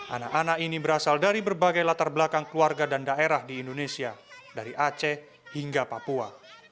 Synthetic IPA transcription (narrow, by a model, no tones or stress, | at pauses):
ʔa̰naʔanaʔinibəɾasaldaɾibərbaɡajlat̪arbəlakaŋkluarɡadandaʔeɾahdiːndonesiadaɾiʔat͡ʃɛ | hiŋɡapapua